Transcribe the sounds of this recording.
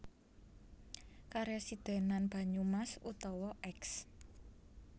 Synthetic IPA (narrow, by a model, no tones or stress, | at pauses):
kaɾɛsid̪̥e̤nanb̥a̤ɲumasṵt̪ɔwɔʔɛks